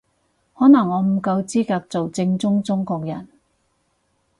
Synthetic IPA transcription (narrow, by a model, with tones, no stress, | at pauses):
hɔː˨˥nɐ˨˩ŋːɔː˨˧m̩˨˩kɐ˧wt͡siː˥kaː˧k̚t͡so˨wt͡sɪ˧ŋt͡sʊ˥ŋt͡sʊ˥ŋkɔː˧k̚jɐ˨˩n